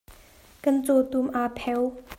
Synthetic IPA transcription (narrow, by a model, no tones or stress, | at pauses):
kənt͡sot̪umʔapʰɛw